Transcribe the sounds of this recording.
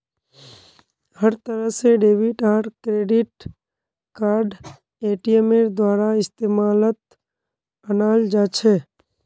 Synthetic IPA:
həɾt̪əɾəseɖeːʋɪʈaːɾʈkɾeːɖɪʈ | kaːɾɖ | eːʈiemeɾd̪waːɾaɪst̪eːmaːlət̪̚ | ənaːld͡ʒaːt͡ʃʰeː

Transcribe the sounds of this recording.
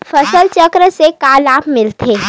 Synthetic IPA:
fɐsəlt͡ʃəkɾəsekaːlaːpmɪlt̪ʰeː

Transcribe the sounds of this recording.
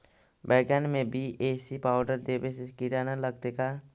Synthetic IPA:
bɛːɡanmẽbieːsipaːʊɖəɾd̪ebesɪskiɾanaləɡ̚t̪eka

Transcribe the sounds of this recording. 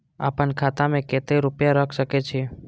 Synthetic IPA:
a̰ːpənkʰat̪amẽket̪eɾʊpjaɾəkʰʃəket͡ʃʰe

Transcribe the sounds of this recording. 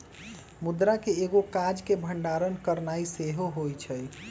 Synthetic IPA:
mud̪ɾakeːɡokad͡ʒkebʱəɳɖaɾənkəɾnaiseɦoɦojt͡ʃʰəj

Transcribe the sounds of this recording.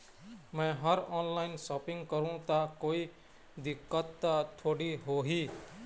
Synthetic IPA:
mẽɦʌɾɔnlaɪnsɔpɪ̃ŋɡkəɾũt̪akoːi | d̪ɪkːət̪ːaʈ̪ʰoːɽiɦoɦi

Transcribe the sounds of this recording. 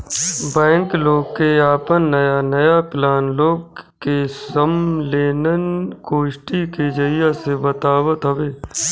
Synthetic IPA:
bɛ̃ːŋkloːɡkeaːpənːəjanəjaplaːnloːɡkːesəmleːnənkoːʃʈiked͡ʒəɪjasebət̪aːwət̪ɦəʋeː

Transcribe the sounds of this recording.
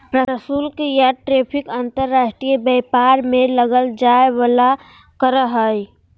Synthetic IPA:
ɾəɾəsulkejaʈɾepʰikənt̪əɾːasʈɾijbɛpaɾmeləɡəld͡ʒaebala | kəɾəɦəj

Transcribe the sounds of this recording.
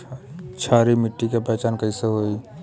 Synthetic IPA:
t͡ʃʰaːɾimɪʈːikepɛːt͡ʃaːnkəĩseɦoːi

